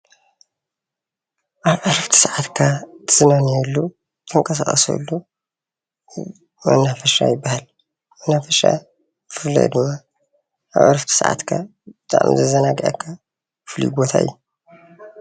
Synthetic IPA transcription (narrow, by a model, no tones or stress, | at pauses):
ʔaβʕaɾft̪ʰi̥sʕat̪kʰat̪ʰɨzɨnaniɛlːu | t̪ʰɨŋkʼɐsaχʼɐsɐ̰lːu | mɐ̰nːafɐʃa̰jɪbːahal | mɐnafɐʃa̰ | bɨfɨlːḭʔd̪ɨmːa | ʔa̰βʕa̰ɾft̪ʰi̥saʕa̰t̪kʰa̰b̥ɨt̪ʰʼa̰ʕmzɐzɐnaɡʔa̰kʰːa | bɨflḭɡot̪ʰa̰ɨ̰jːu